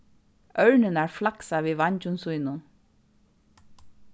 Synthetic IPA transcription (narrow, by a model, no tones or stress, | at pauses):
œɹnɪnæɹflaksaviːʋaɲcʊnsujnʊn